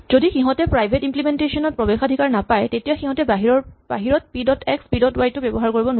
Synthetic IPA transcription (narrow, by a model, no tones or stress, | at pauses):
zodixiɦɔ̃tɛpɹajbʱetimplimentesɔnɔt̚pɹɔbexadʱikaɹnapajtetijaxiɦɔ̃tɛbaɦiɹɔba̰ɦiɹɔt̚pidɔtɛkspidɔtwajtːʊbebɔɦaɹkoɹibɔn